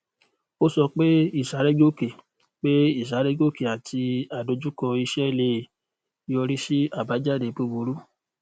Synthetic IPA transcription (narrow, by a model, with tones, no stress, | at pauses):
o˦sɔ˧k͡pe˦i˦˨sa˨˦ɾe˦ɡo˦˨ke˨ | k͡pe˦i˦˨sa˨˦ɾe˦ɡo˦˨ke˨a˨ti˧a˨do˧d͡ʒu˦kɔ˧i˧ʃɛ˦le˧˨˧ | ɔ˧ɾi˦ʃi˦a˨ba˨˦d͡ʒa˦˨de˨˦pu˧bu˨˦ɾu˦